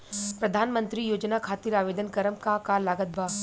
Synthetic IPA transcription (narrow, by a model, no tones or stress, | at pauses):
pɾɐd̪ʱaːnmə̃nt̪ɾijoːd͡ʒnakʰaːt̪iɾaːʋeːd̪ənkɐɾəmkakalaːɡət̪̚bʱaː